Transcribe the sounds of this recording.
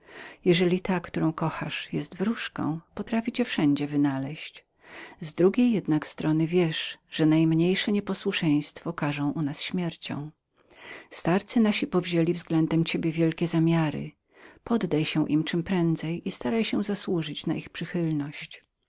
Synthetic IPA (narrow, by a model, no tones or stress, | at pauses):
jɛʐɛlʲit̪akt̪uɾɔ̃w̃kɔxa̰ʂjɛst̪vɾuʂkɔ̰̃w̃pɔt̪ɾafʲit͡ɕɛfʂɛɲd͡ʑɛvɘnalɛɕt͡ɕ | zd̪ɾuɡʲejːɛd̪nakst̪ɾɔnɘvʲjɛʂʐ̥ɛnajmɲejʂɛɲɛpɔswuʂɛj̃st̪fɔkaʐɔ̃w̃ʔunasɕmʲjɛɾt͡ɕɔ̰̃w̃ | st̪aɾt̪sɘnaɕipɔvʑelʲivzɡlɛnd̪ɛmt͡ɕebʲjɛvʲjɛlkʲɛzamʲjaɾɘ̰ | pɔd̪ːajɕɛʔḭmt͡ʂɘmpɾɛnd̪zɛjist̪aɾajɕɛzaswuʐɘt͡ɕnaʔixpʂɘxɘlnɔɕt͡ɕ